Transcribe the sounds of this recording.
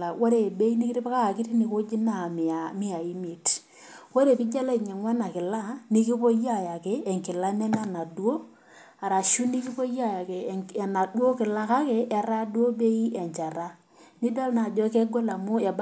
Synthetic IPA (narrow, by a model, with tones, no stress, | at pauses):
a˨wo˦ɾe˨be˦i˦ni˦kɪ˦ɾɪ˦pka˦a˨kɪ˦ti˦ni˨ko˦d͡ʒi˦na˦˨mɪ˨a˨mɪ˦a˨i˦mi˨t | ko˦ɾe˨pɪ˦d͡ʒa˦la˦i˨ɲɛ˨ŋwa˦na˨kɪ˨la˦ni˦ki˦po˦ja˦˨ja˨ke˨ɛ˨ŋkɪ˨la˦nɛ˦na˦na˨dwo˦ | a˨ɾa˨ʃu˦ni˦ki˦po˦ja˦˨ja˨ke˨na˨du˦o˦kɪ˨la˦ka˦ke˦ʔɛ˨ɾa˦dwo˦be˦i˦ɛ˨ɲt͡ʃa˨ɾa˦ | ni˦da˦lna˨d͡ʒɔ˦kɛ˦ɡo˦la˨mʊ˦ɛ˨b